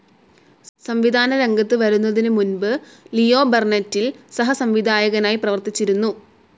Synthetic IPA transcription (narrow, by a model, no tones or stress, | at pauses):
sɐmʋid̪ʱaːnɐɾe̞ŋɡɐt̪ːɨʋɐɾunːɐðinɨmunbɨ | lijo̞ːbernɐtːilsɐɦɐsɐmʋid̪ʱaːjɐɣɐnaːjiprɐʋɐrt̪it͡ɕːiɾunːu